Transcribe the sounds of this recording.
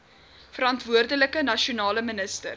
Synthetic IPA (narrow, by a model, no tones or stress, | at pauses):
fəɾɐntvuərdələkənɐʃiunɑːləmənəstə̰r